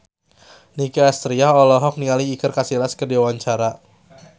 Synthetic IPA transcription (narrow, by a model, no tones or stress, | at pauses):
nikiast̪ɾiaɦɔlɔɦɔk̚niŋaliːkɨrkasilaskərdiwawaɲt͡ʃaɾa